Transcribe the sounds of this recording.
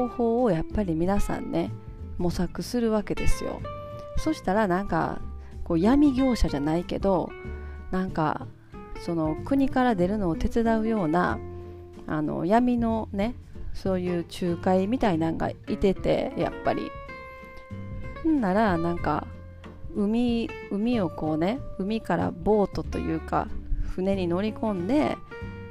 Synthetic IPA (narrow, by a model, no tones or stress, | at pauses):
oːho̞ːojapːaɾʲimʲinasã̰nːe̞ | mo̞sakɯ̟sɨɾɯ̟βake̞d̪e̞̰sɨjo̞̰ | so̞ɕi̥t̪aɾanãŋka̰ | ko̞ːjamʲiɡʲo̞ːɕaʑanaike̞̰d̪o̞nãŋka̰ | so̞no̞kɯ̟ɲ̟ikaɾad̪e̞ɾɯ̟no̞ːt̪e̞t͡sɨd̪aɯ̟jo̞ːna̰ | a̰no̞̰jamʲino̞ne̞ | so̞ːjɯ̟ːt͡ɕɨːkaimʲit̪ainãŋɡa̰it̪e̞t̪e̞̰ja̰pːa̰ɾʲḭ | nnaɾanãŋka̰ | ɯ̟mʲiɯ̟mʲio̞ko̞ːne̞ɯ̟mʲikaɾa̰bo̞ːt̪o̞t̪o̞̰jɯ̟̰ːka̰ɸɯne̞ɲ̟ino̞ɾʲikõ̞nd̪e̞